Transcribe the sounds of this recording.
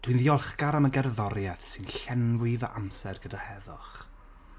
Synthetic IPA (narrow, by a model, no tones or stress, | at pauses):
d̥ʰwɨnðiɔlˠχɡaɾaməɡɛrðɔɾjɛθsɨnɬɛnwɪvə̰ʔamsɛrɡədahɛðʊχ